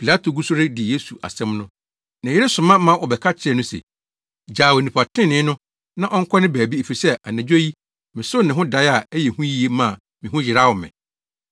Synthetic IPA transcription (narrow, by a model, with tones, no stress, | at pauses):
pʰi˨la˦tʰo˨ɡu˦sʊ˦ɾe˦dɪ˨je˦su˨ʔa̰˨sɛ̃˦mnʊ̃˦ | nã˨jɪ˦ɾe˦sʊ˨mã˦mã˦ʔɔ˨bɛ˨kʰa˦t͡ɕʰɛ˨nʊ̃˦sɛ̰˨ | d͡ʑaː˨we˨nĩ˨pʰa˨tʰɪ̃˦˨nɪ̃˦nʊ̃˦ | nã˦ʔɔ˦ŋ̩˦kʰɔ˦nɪ̃˦bæː˨bi˦e˨fi˨sɛ˦ʔa˨næ̃˨d͡ʑᶣo˦ji˦ | mɪ̃˨sʊ˦nɪ̃˨ɦʊ̃˦da˨˦ja˨ɛ˦jɛ˨hũ˦ji˦e˦mã˦˨ | mɪ̃˨ɦʊ̃˦jɪ˨ɾa˦˨wɔ˨mɪ̰̃˨